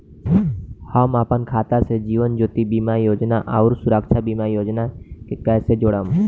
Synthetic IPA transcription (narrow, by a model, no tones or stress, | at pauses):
həmaːpənkʰaːt̪ased͡ʒiːʋənd͡ʒoːt̪ibiːmajoːd͡ʒnaʔaʊɾsʊɾəːkʃʰabiːmajoːd͡ʒnakekɛːsed͡ʒoːɽəm